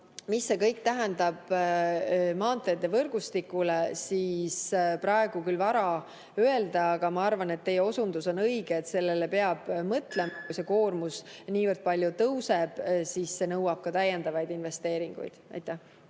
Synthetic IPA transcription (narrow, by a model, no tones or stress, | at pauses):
misːe̞kɤjk̚t̪æɦɛnd̪ɑb̥ | mɑːnt̪ːˑed̪evɤrɡ̥ust̪ikːulesisprɑe̞ɡ̥ukylvɑɾɑ | øe̞ld̪ɑɑɡ̥ɑmɑɑrvɑne̞t̪ːe̞jeo̞sund̪uso̞nɤjɡ̥eːt̪se̞lːe̞le̞pe̞ɑb̥mɤt̪le̞mɑkujse̞koːrmusniːvɤrd̪̥̚pɑlʲjut̪ɤwse̞b̥sisse̞nɤwɑb̥̚kɑt̪æjːend̪ɑvɑjd̪inve̞st̪e̞ːɾiŋɡ̥ṵjd̪̥ʔɑ̰jt̪ːˑæh